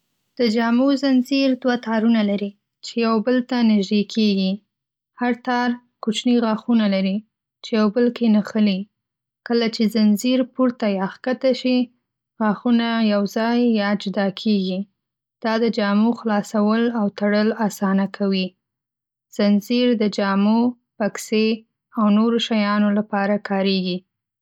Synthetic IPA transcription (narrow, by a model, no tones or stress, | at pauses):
d̪̥əd͡ʒɑmozanziɾd̪wat̪ʰɑɾunalaɾi | t͡ʃejawbəlt̪anɪʒd̪ekʰeɡi | haɾt̪ɑɾ | kut͡ʃniɣaxunalaɾi | t͡ʃejawbəlkenaxəli | kəlat͡ʃezanziɾpuɾt̪ajɑxkat̪aʃi | ɣɑxunajawzɑjːɑd͡ʒʊd̪ɑkʰeɡi | d̪̥ɑd̪əd͡ʒɑmuxlɑsawəlawt̪aɽəlɑsɑnakʰawi | z̥anziɾd̪əd͡ʒɑmo | pakse | awnoɾoʃajɑnolapɑɾakʰɑɾeɡi